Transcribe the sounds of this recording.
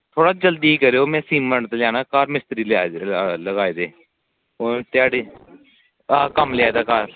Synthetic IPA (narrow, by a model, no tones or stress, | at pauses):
t̪ʰoːɽaːd͡ʒəld̪iːiːkəɾeːoːmɛ̃ːsiːməɳɖt̪ːljaːnaːkaːɾmɪst̪ɾiːlaːləɡaːeːd̪eː | oːt̪ɪaːɽeː | aːkəmlɪaːd̪aːkaːɾ